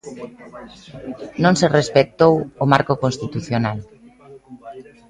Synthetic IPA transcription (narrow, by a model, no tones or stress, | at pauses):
nõnserespek̚t̪owomaɾkokonst̪it̪uθjonal